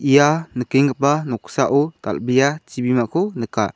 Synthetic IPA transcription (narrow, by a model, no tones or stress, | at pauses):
ʔijanəkiŋɯpanɔksaʔɔt̪a̰lbijat͡ʃibimaʔkʰɔnəka